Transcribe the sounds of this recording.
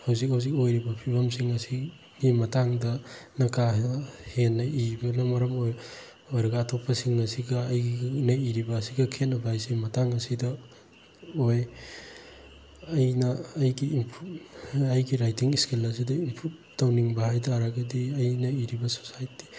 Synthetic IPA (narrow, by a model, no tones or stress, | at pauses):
hawzik̚hawzikojɾibɐpʰibʱɐmsiŋɐsi | ɡimɐtaŋdɐnɐkahenːɐibɐnɐmɐɾɐmoj | ojɾɐɡɐːtʰopːɐsiŋnɐsiɡɐːjɡinɐiɾibɐːsiɡɐkʰetnɐbʱajsimɐtaŋɐsidɐ | oj | ɐjnɐːjɡiːmpʰuɐjɡiɾajtiŋiskelɐs̬idɐimpʰut̚ | tawniŋbɐhajtʰaɾɐɡɐdiɐjnɐiɾibɐso̥sajti̥